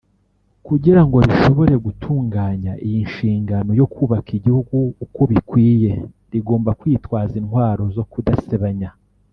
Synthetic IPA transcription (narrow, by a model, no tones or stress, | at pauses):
kuɟiɾaŋɡo̞ɾiʃo̞βo̞ɾe̞ɡutʰuːŋɡaːɲaʔijinʃiːŋɡano̞jo̞kʰuːβakiɟihuɡuuko̞βikwiːje̞ | ɾiɡo̞ːmbakwiːtwaːzinhwaːɾo̞zo̞kudaseβaɲa